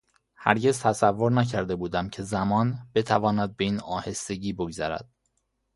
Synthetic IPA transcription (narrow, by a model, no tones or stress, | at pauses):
hæɾɟe̞zt̪ʰæsævːo̞ɾnæcʰæɾd̪e̞buːd̪æmcʰe̞zæmɒːnbe̞t̪ʰævɒːnæd̪̚be̞iːnɒːhe̞st̪e̞ɟiːbo̞ɡzæɾæ̰d̪̥̚